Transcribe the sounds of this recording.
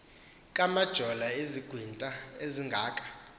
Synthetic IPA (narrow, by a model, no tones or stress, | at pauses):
kʼamad̥ʒ̥ʱɔlaeziɡ̥ʱwintʼaeziŋɡʱaːkʼḁ